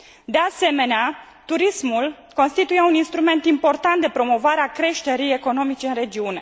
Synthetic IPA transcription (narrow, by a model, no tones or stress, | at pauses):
d̪ease̞me̞nea | t̪uɾismul | ko̞nst̪it̪ujeuninst̪ɾume̞nt̪impo̞rt̪ant̪̚d̪epɾo̞mo̞vaɾeakɾe̞ʃt̪e̞ɾije̞ko̞no̞mit͡ʃeɨnre̞d͡ʒiune̞